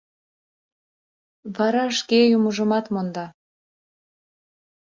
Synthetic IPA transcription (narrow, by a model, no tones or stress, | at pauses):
βɑɾɑʃkejuməʒəmɑt̪mond̪ɑ